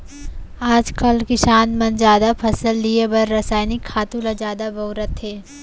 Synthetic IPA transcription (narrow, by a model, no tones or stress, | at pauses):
aːd͡ʒkɐlkɪʃaːnmɐnd͡ʒaːd̪apʰɐsəlːiebɐɾːɐsaːjnɪkʰːaːt̪ũlad͡ʒaːd̪abɐːɾət̪ɦeː